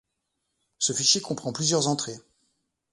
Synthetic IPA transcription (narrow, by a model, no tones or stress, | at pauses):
səfiʃjekɔ̃pχɑ̃plyzjœʁzɑ̃t̪χe